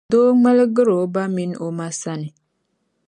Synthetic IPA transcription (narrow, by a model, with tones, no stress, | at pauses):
do˦ma˦lɡɨ˦ɾo˨˦ba˦mi˦no˦ma˦sa˦nɪ˨